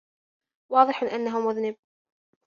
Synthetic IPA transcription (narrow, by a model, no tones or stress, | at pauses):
wɑːðˤɨħʔanːaɦʊmʊðnɪb̚